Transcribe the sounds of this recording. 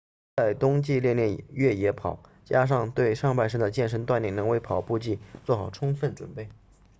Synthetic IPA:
t͡sa˥˩ɪt̪ʊ˥ŋt͡ɕi˥˧ljɛ˥˧nljɛ˥˩nɥɛ˥˩jɛ˧˥pʰɑ˨˩˦ʊ | t͡ɕja˥ʂ̬ɑ˥˧ŋt̪we˥˧ɪʂɑ˥˧ŋpa˥˧ɪʂɤ˥˩d̪ə˨˩t͡ɕjɛ˥˩nʂə˥nt̪wa˥˧nljɛ˥˩ŋnɤ˧˥ŋwe˧˥ɪpʰɑ˨˩ʊpu˥˧t͡ɕi˥˧t͡swɔ˥˩xɑ˨˩ʊʈ͡ʂʰʊ˥ŋfə˥˩nʈ͡ʂwə̰˨˩npe˥˩ɪ

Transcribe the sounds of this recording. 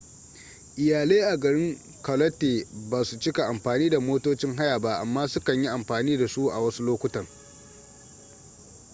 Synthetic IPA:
ʔɪ˨jaː˨leː˦ʔa˨ɡɐ˨ɽɪ˦ŋ | kɐ˨lɐ˦tːeː˨baː˨su˨t͡ʃɪ˦ka˨ʔa˨mɸaː˨niː˦da˨moː˦toː˦t͡ʃɪ˦ŋɦa˦jaː˨ba˦ʔa˨mːaː˦sʊ˦kɐ˨ɲji˦ʔa˨mɸaː˨niː˦da˨su˦ʔa̰˨wɐ˦su˦loː˦kʷʊ˦tɐ˨ŋ

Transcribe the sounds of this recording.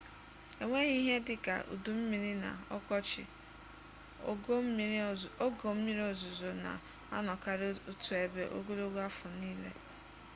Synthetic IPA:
e˨ŋʷe˦ɲi˦ɦe˦dɪ˦ka̰˨ʔṵ˨du˨m̩˦mi˨ɾi˦na̰˨ɔ̰˦kɔ˦t͡ʃɪ̰˨˦ | o˦ɡo˨m̩˦mi˦ɾi˦o˨zʊ˨zo˨na̰˨ | a˦nɔ˨ka˦ɾu˦tu˨e˨be˨ʔo̰˦ɡo˦lo˦ɡa˦fʊ˨niː˦lḛ˦

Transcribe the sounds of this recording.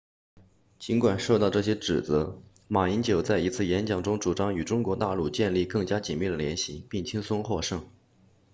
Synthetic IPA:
t͡ɕi˧˥nkwa˨˩nʂo˥˧t̪ɑ˥˧ʊʈ͡ʂɤ˥˩ɕ̬jɛ˥ʈ͡ʂɻ̩˨˩t͡sɤ˧˥ | ma˨˩i˧˥nt͡ɕjo˨˩ʊt͡sa˥˩ɪi˧˥t͡sʰɹ̩˥˩jɛ˧˥nt͡ɕjɑ˨˩ŋʈ͡ʂʊ˥ŋʈ͡ʂu˨˩ʈ͡ʂɑ˥ŋy˨˩ʈ͡ʂʊ˥ŋkwɔ˧˥t̪a˥˧lu˥˧t͡ɕjɛ˥˧nli˥˧kɤ˥˩ŋt͡ɕja˥t͡ɕi˨˩nmi˥˩d̪ə˩ljɛ˧˥nɕi˧˥pi˥˩ŋt͡ɕʰi˥ŋsʊ˥ŋxwɔ˥˧ʂɤ˥˩ŋ

